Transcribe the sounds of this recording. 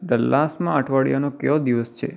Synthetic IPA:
ɖəlːasmãaʈʰʋaɽjanokeʋod̪iʋəst͡ʃʰḛ

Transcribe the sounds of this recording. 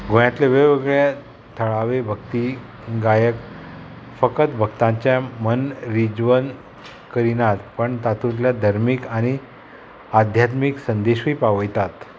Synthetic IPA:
ɡojjat̪leʋeʋeɡɭja | t̪ʰəɭaʋebʱəkt̪i | ɡajək | fəkət̪bʱəkt̪ãɲt͡ɕjamənɾid͡zʋən | kəɾinat̪pəɳt̪at̪ʰutljad̪ʱaɾmikaɽ̃i | ad̪ʱjat̪miksənd̪eɕʋiːpaʋəjt̪at̪

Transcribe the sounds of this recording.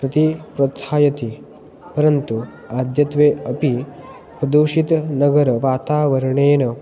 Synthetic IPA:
pɾɐt̪ipɾɐt̪ʰaːjɐt̪i | pɐɾɐnt̪u | aːd̪jɐt̪ʋeːɐpi | pɾɐd̪uːʂit̪nɐɡɐɾɐʋaːt̪aːʋɐɾɐɳeːnɐ

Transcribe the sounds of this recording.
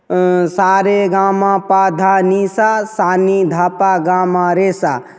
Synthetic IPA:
saɾeɡaːmãpad̪ʱanisasaːnid̪ʱaːpaɡamãɾesa̰

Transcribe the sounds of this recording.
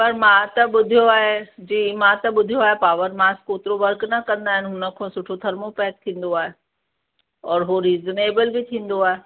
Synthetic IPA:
pɐɾmãt̪ɐɓʊd̪ʱijoaːɦed͡ʑiːmãt̪ɐɓʊd̪ʱijoaːɦepaːʋəɾmaːskoːt̪ɪɾoʋɐɾknɐkɐ̃nd̪aːɦɪnɪ̆ɦʊnə̆kʰõːsʊʈʰot̪ʰɐɾmopɛːt̪̚t̪ʰĩːn̆d̪oaːɦe | ɔːɾɦoɾiːzneːbəlbɪt̪ʰĩːn̆d̪oaːɦe

